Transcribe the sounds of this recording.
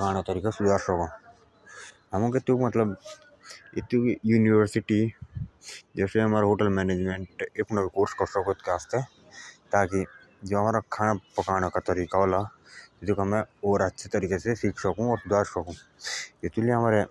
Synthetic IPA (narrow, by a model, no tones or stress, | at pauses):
pkaːɽ̃at̪əɾiːkasʊd̪ʱaːɾsɔkõ | ɦɐmũket̪ukmɐt̪ləb | ɪt̪ujuːniʋəɾsɪʈi | d͡ʒɛːseɦɐmaːɾeɦoːʈəlmɛːneːd͡ʒmẽːɳʈeːkunɐʋikoːɾskɔsɔkot̪keaːst̪e | t̪aːki | d͡ʒoɦɐmaːɾakʰaːñapɐkaːɽ̃akat̪ɐɾiːkaoːlaɪt̪ukamɛ̃oːɾətːʃʰet̪əɾiːkesesiːkʰsɐkũɔːɾsʊd̪ʱaːɾsɔkũet̪ulieɦɐmaːɾe